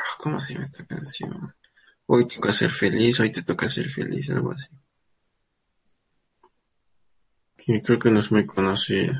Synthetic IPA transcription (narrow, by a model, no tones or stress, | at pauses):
ahkomasimet̪ʰakansjo̰ | ojt̪okasḛɾfelisojt̪et̪okaseɾfḛlḭs̬a̰lwa̰si | kʰimikɨɾkɨnosmojkonosi